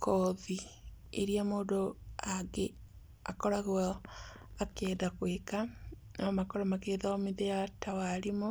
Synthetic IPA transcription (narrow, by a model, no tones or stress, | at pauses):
kʰɔðiḛɾiamoːdoaɡe | a̰kɔɾaɣo | akɛːdakweka | namakɔɾɔmakeːðaɔmiðejatawaɾimo